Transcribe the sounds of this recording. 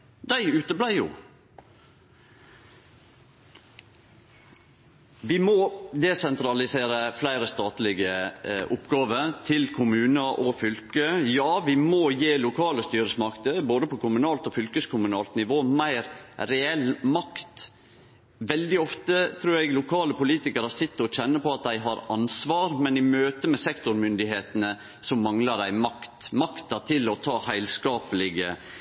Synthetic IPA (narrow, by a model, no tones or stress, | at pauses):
d̪æɪʉːt̪əblæɪjʊ̰ | ʋɪmɔd̪ɛsɛnt̪ʰɾɑlɪseːɾəflæɪɾəst̪ɑːt̪lɪɡəʔʊpːɡɑːʋət̪ʰɪlkʰʊmʉːnəʔɔfʏlkəjɑːʋɪmɔjeːlʊkʰɑːləst̪yːɾəsmɑkt̪əboːd̪əpʰɔkʰʊmʉnɑːlt̪ɔfʏlkəskʰʊmʉnɑːlt̪nɪʋoːmæɪɾɾɛɛlmɑkt̪ | ʋɛld̪ɪɔft̪ət̪ʰɾʉːɾɛɡlʊkʰɑːləpʊliːt̪ɪkəɾɑsɪt̪ːɔc͡çɛnːəpɔɑt̪̚d̪æɪɦɑɾɑnsʋɑːɾmɛnɪmøːt̪əmɛsɛkt̪ʊɾmʏnd̪ɪɦeːt̪ənə | sɔmːɑŋlɑd̪æɪmɑkt̪mɑkt̪ɑt̪ʰɪlɔt̪ʰɑːhæɪlskɑːpəlɪɡə